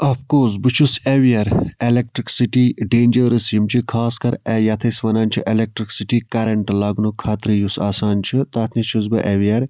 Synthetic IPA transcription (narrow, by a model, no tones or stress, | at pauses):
ɐfkoːs̬bɨt͡ʃʰuseʋiɐɾelek̚ʈɾiksiʈiɖeːnʲd͡ʒɐɾɨsimt͡ʃʰikʰaːskɐɾɛjɐt̪ʰɐsʲʋɐnaːnʲt͡ʃʰiʔelek̚ʈɾiksiʈikɐɾɐɳʈlaːɡnukʰaːt̪ɾɨjusaːsaːnt͡ʃʰit̪aːt̪ʰnʲit͡ʃʰusbɨʔeʋijɐɾ